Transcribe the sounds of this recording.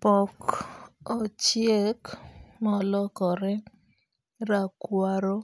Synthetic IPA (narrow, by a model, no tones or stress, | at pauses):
pɔk | ot͡ʃjekmɔlɔkɔɾɛ | ɾakwaɾo